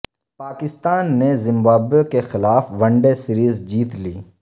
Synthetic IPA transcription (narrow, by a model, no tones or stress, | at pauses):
paːkɪst̪aːnːezɪ̃mbaːbekexɪlaːfʋɐ̃ɳɖesɪɾiːzd͡ʒiːt̪liː